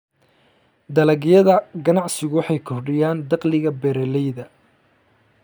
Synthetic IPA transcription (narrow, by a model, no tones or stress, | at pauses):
d̪ɐlɐɣɪjɐðɐɡɐnɑʕsɪɣʊwɑħɑjkʰɔrɖɪjaːnd̪ɑqlɪɣɐbɛɾɛlɛjðɐ